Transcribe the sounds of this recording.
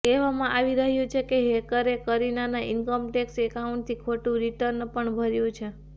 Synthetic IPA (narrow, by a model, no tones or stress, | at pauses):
keʋamãʔaʋiɾəɦjũt͡ʃʰekeɦekəɾekəɾinanaɪnkəmʈeksekauɳʈt̪ʰikʰoʈũɾiʈəɾnpəɳbʱəɾjũt͡ʃʰe